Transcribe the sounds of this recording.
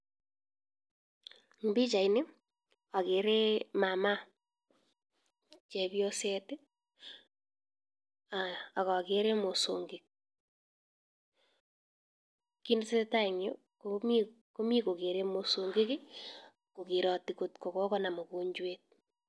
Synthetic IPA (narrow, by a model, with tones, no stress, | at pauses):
ŋ˨bi˦t͡ʃa˨inɪ˦ | a˨ke˨ɾe˦ma˨ma˦ | t͡ʃɛ˨bjo˦se˦te˦ | a˨a˨kɔ˨keɾe˦mo˨so˨ŋɡe˨k̚ | ki˦n˦se˦ta˦i˨ŋo˦ | komiko˦mi˦ko˨ke˨ɾe˦mo˨so˨ŋɡe˦kɪ˦ | ko˨ki˨ɾɔ˨ti˨ko˨tko˨kɔ˦kɔ˦na˨mo˨ko˦ɲd͡ʒwet̚